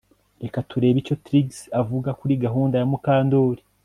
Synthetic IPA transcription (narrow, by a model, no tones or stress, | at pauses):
ɾe̞katuɾe̞ːβico̞tɾiɡsavuɡakuɾiɡaɦuːndajamukaːndoːɾi